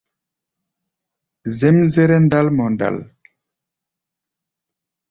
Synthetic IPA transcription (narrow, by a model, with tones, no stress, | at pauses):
zɛ˦mze˦ɾɛ˦nda˦lmɔ˨nda̰˨l